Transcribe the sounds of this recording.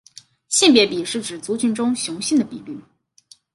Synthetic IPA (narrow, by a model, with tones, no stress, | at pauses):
ɕi˥˩npjɛ˧˥pi˨˩ʂɻ̩˥˩ʈ͡ʂɻ̩˨˩t͡su˧˥t͡ɕy˥nʈ͡ʂʊ˥ŋɕjʊ˧˥ŋɕi˥˩nd̪ə˩pi˨˩ly˥˩